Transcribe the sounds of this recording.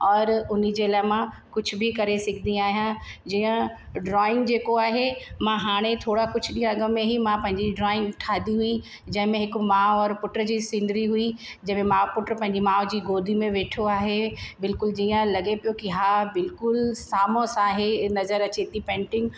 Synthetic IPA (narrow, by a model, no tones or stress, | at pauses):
ɔːɾʊnid͡ʑeːlaːɦɪmã | kʊd͡ʑʱʊbɪkɐɾesɪɡʱd̪ĩaːɦijãd͡ʑiːə̃ | ɖɾɔːɪ̃ŋɡd͡ʑeːkoaːɦemãɦaːɽ̃et̪ʰoːɽakʊd͡ʑʱʊɗĩːãɐɡəmːẽɦimãpɐ̃ɦɪ̃ɲd͡ʑiɖɾɔːɪ̃ŋɡʈʰaːd̪iɦui | d͡ʑɐ̃ɦɪ̃mẽɦɪkmãːɔːɾpʊʈɾəd͡ʑiːsɪ̃nd̪ɪɾiɦuid͡ʑɐ̃ɦmẽmãːpʊʈɾpɐ̃ɦɪ̃ɲ̆d͡ʑimãːʊd͡ʑiːɡoːd̪ʱimẽʋeːʈʰoaːɦebɪlkʊld͡ʑiːə̃lɐɠepijokiɦaːbɪlkʊlsaːmõsaːɦenɐzəɾɐt͡ɕeːt̪ipɛ̃ːɳʈɪ̃ŋɡ